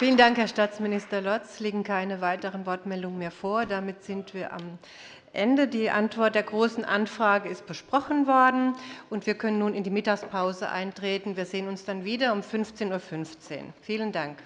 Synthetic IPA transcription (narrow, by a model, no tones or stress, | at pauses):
fiːləndaŋkhɛɐʃtaːt͡smɪnɪstɐlɔt͡sleːɡŋ̩kʰaɪnəvaɪtəʁənvɔɐtmɛldʊŋənmeːɐfoːɐdamɪtz̥ɪntv̥iːɐʔa̰m | ʔɛndədiːʔa̰ntv̥ɔɐt̚d̥eːɐɡʁoːsn̩ʔanfʁ̥aːɡəɪst̚b̥əʃpʁ̥ɔχn̩vɔɐdn̩ʔʊntv̥iːɐkʰœnənːuːnɪndiːmɪtakspʰaʊzə̰ʔa̰ɪntʁ̥eːtn̩viːɐzeːənʊnsd̥anviːdɐʊmfʏnft͡seːnuːɐfʏnft͡sḛːnfiːləndaŋk